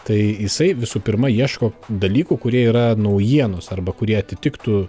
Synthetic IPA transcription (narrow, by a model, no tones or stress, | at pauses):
t̪ɐɪjɪsɐɪʋʲɪsuːpʲɪɾmɐiɛʃkoːd̪ɐlʲiːkuːkʊɾʲiɛiːɾɐnɐʊjiɛnosɐrbɐkʊɾʲiɛɐt̪ʲɪt̪ʲɪkt̪uː